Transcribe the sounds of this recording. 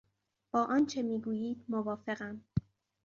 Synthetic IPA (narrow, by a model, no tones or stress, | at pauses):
b̥ɒːʔɒːnt͡ʃʰe̞miːɡuːjiːd̪̚movɒːfe̞ɢæm